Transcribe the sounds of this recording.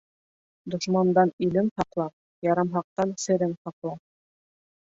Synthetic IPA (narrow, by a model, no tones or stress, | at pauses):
d̪ŏʃmɑnd̪ɑnilɘŋhɑqlˠɑp̚ | jɑɾɑmɦɑq̚t̪ɑnsɘ̆ɾɘŋhɑqlˠɑ